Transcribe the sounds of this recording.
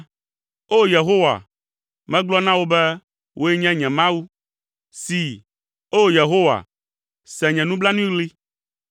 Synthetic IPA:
o˦je˨ɦo˦wa̰˨ | mɛ̃˦ɡ͡blɔ˦nã˦wo˦bɛ˦ | wʔo˦ɛ˦ɲɛ̃˦ɲɛ̃˨mã˦wu˦ | si˨ | o˦je˨ɦo˦wa̰˨ | sɛ̃˨ɲɛ̃˨nũ˦bla˦nũ˦i˦ɣli˦

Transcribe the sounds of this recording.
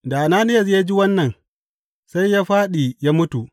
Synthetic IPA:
da˨ʔa˨naː˦nɪ˦jɐ˨s̬ja˦d͡ʒi˦wɐ˦nːɐ˨n | sa˦jjaː˦ɸaː˦ɗi˨ja˦mʊ˦tu˨ʔ

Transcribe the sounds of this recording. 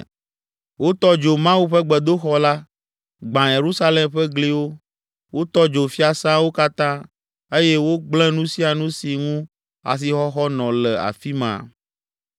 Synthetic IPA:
wo˦t̪ɔ˦d͡ʒo˨mã˦wu˦ɸɛ˦ɡ͡bɛ˨d̪o˦xɔ˦la˦ | ɡ͡bã˨je˨ɾu˦sa˦lɛ˨mɸɛ˦ɡli˦wo˦ | wo˦t̪ɔ˦d͡ʒo˨fi˦a˨sã˦wo˦ka˦t̪ã˦ | e˦je˦wo˦ɡ͡blɛ̃˦nũ˦si˦a˨nũ˦si˨ŋũ˦ | a̰˨s̬i˨xɔ˦xɔ˦nɔ̃˨lɛ˨a̰˨fi˦mã̰˨

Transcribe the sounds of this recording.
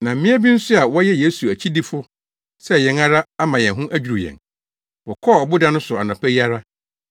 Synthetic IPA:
nã˨m̩˦mɪ̃˦æ˦bĩ˦n̩˦sʊ˦a˨wɔ˦jɛ˦je˦su˨æ˨t͡ɕʰi˦di˦fʊ˦ | sɛ˦˨jɛ̃˨na˦ɾa˦a˦mã˨jɛ̃˨ɦʊ̃˦ʔæ˦d͡ʑᶣu˨ɾu˨jɛ̰̃˨n | wɔ˨kʰɔ˦˨ɔ˨bʊ˦dã˦nʊ̃˦sʊ˨a̰˨nã˨pʰæ˦i˦a˦ɾa˦

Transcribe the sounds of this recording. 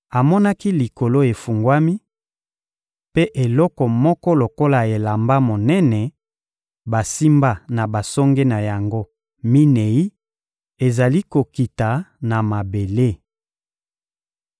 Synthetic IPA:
a˨mɔ˦na˦ki˦li˨ko˨lo˦e˨fu˨ŋɡwa˦mi˦ | pe˦ʔe˨lɔ˦kɔ˨mɔ˦kɔ˦lo˨ko˦la˨e˨la˨mba˦mo˨nɛ˦nɛ˨ | ba˨si˦mba˦na˨ba˨sɔ˦ŋɡe˦na˨ja˨ŋɡo˦ | mi˦ne˨i˦ | e˨za˨li˦ko˨ki˨ta˨na˨ma˨be˨le˦

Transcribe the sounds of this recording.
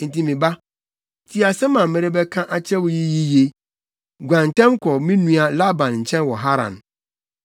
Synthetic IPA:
n̩˨ti˨mĩ˨ba˦ | tʰi˦a˨sɛ˦mã˨m̩˨mɛ̃˨ɾɪ˦bɛ˦kʰã˦ʔa˨t͡ɕʰɛ˦wʊ˨ji˦ji˦je˦ | ɡʷã˨ntʰɛ̃˦mkʰɔ˨mĩ˦nũ˦a˨la˦bã˨nɲ̩˨t͡ɕʰɛ̃˦nwɔ˨ɦa˦ɾã̰˨n

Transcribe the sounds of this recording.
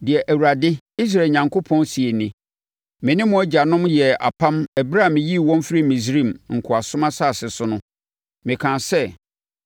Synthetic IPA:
dɪ˨ɛ˨ʔæ˨wu˨ɾa˨dɪ˦ | i˦s̬ɾaː˨ɲã˨ŋkʰo˦pʰɔ̃˦nsi˨e˨nɪ̃˨ | mɪ̃˨nɪ̃˦mʊ̃˦æ˦d͡ʑa˨nʊ̃˦mjɛ˨a̰˨pʰã˦mɛ˨bɾa˦˨mɪ̃˨ji˦wɔ̃˦n˦fɾi˦mĩ˨s̬ɾĩ˦˨mŋ̩˨kʰʊ˨a˨sʊ˦mã˦sa˦˨sɪ˨sʊ˦nʊ̃˦ | mɪ̃˨kʰã˨sɛ˦

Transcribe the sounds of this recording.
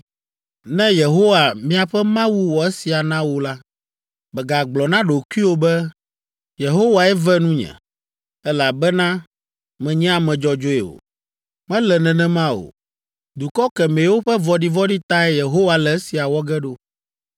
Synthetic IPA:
nɛ̃˦je˨ɦo˦wa˨mĩ˦a˨ɸɛ˦mã˦wu˦wɔ˨ɛ˦si˨a˨nã˦wo˨la˦ | bɛ˨ɡa˨ɡ͡blɔ˨nã˦ɖo˨ku˦i˦wo˦bɛ˦ | je˨ɦo˦wa˨ɛ˦vɛ˦nũ˦ɲɛ̰̃˨ | ɛ˦la˨bɛ˦nã˦ | mɛ̃˨ɲɛ̃˦a˦mɛ̃˨d͡ʒɔ˦d͡ʒo˦ɛ˨wo̰˨ | mɛ̃˦lɛ˨nɛ̃˨nɛ̃˦mã˦wo̰˨ | d̪u˨kɔ˦kɛ˨mẽ˨˦wo˦ɸɛ˦vɔ˨ɖi˦vɔ˦ɖi˦t̪a˦ɛ˦je˨ɦo˦wa˨lɛ˨ɛ˦si˨a˨wɔ˦ɡɛ˦ɖo˦

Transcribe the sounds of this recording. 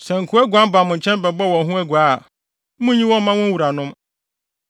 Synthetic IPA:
sɛ˨ŋ̩˨kʰʊ˨˦æ˦ɡu˨a˦m˦ba˨mʊ̃˨ɲ̩˨t͡ɕʰɛ̃˦n˦bɛ˨bɔ˦˨wɔ̃˨ɦũ˦æ˦ɡu˨a˦˨˦ | mʊ̃˦ɲĩ˦wɔ̃˦mã˦wʊ̃˦wu˨ɾa˨nʊ̃˦m

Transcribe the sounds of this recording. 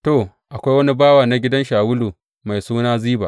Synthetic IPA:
to˨ | ʔa˨kʷa˦jwɐ˦ni˦baː˦wa˨na˦ɡʲɪ˦dɐ˦nʃaː˨wʊ˦luː˨ | ma˨jsuː˦naː˦ziː˦ba̰ː˨

